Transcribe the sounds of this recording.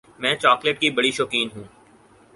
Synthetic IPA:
mɛ̃ːt͡ʃɔːkleʈkibɐɽiʃoːkiːnɦũː

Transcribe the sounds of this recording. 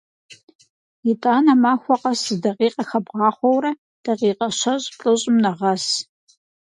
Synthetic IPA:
itʼaːnɐmaːxʷɔqɐszdɐqiːqʼɐxɐbʁɑːχʷɔwɾɐ | d̥ɐʁiːqɐɕɐʑʼɬʼɨɕʼɪmnɐʁɐs

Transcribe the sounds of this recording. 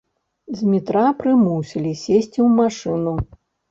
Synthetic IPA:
zʲmʲit̪ɾapɾɨmusʲilʲisʲesʲt͡sʲiwmaʂɨnu

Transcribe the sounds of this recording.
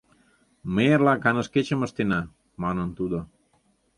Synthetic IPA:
meɾlakanəsket͡ʃəməst̪ena | manənt̪ud̪a

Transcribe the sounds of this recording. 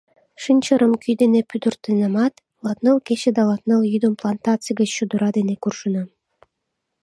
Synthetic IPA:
ʃɨnʲt͡ɕə̆ɾə̆mkyjd̪enepyd̪urt̪enɑmɑt̪ | lˠɑt̪nɤlˠket͡ɕed̪ɑlˠɑt̪nɤlˠjyd̪əmplˠɑnt̪ɑt͡sɨjɡə̆t͡ɕːud̪uɾɑd̪enekurʃənɑ

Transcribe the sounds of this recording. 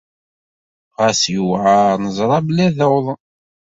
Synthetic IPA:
ʁæsjuwʕaɾnəzˤɾˤɑblæðəwðˤ

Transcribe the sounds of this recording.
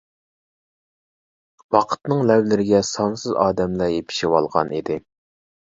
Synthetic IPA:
wɑqʰə̥t̪nɨŋlɛwlɪɾɪɡʲɛsɑnsɨzɑːd̪ɛmlæjepʰɪ̥ʃɪwɑlˠʁɑ̰nid̪ɪ

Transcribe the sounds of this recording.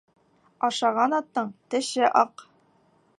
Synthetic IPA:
ɑʃɑʁɑnɑt̪ːɤɴt̪ɘ̆ʃɘʔɑq

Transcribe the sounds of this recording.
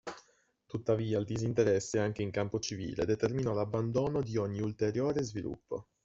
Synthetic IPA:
t̪ut̪ːaviːald̪izint̪eɾɛsːeaŋk̟eiŋkampot͡ʃivḭːlḛd̪et̪erminɔlabːand̪oːnod̪ioɲːiult̪eɾjoːɾezvilṵpːo̰

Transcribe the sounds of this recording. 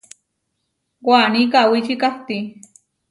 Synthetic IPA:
waːnikawit͡ʃikapt̪i

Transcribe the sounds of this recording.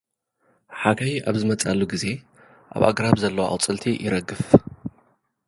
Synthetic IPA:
ħakʰajiʔaβzɨmɐt͡sʼalːuɡize̞ | ʔa̰βa̰ɡɾaβzɐlːɐwʔa̰wt͡sʼɨlt̪ʰijʔɪɾɐɡːɨf

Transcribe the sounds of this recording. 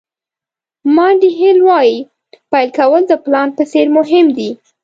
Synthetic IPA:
mɑɖiɦelwɑji | pajlkawəld̪əplɑnpəseɾmʊɦɪmd̪i

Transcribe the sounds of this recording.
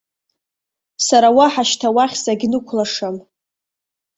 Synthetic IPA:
saɾawaħaʃtʰawaχʲzaɡʲnɨkʷʰlaʂam

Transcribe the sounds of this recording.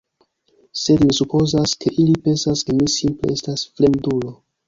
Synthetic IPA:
se̞dmisupo̞zaskʰe̞ʔilipe̞nsaske̞misimple̞̰estasfle̞ndulo̞

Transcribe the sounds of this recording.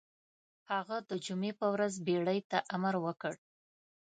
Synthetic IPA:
haɣad̪əd͡ʒumepəwɾazbeɽəjt̪aʔamaɾwəkəɽ

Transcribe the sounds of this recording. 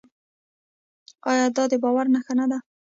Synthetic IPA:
ɑjɑd̪ɑd̪əbɑwaɾnaxanad̪a

